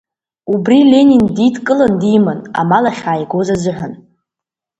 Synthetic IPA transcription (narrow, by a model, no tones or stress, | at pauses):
ubrilʲe̞nʲinditʰkʼɨlandimana̰malaχʲaːjɡozazɨħʷᶣən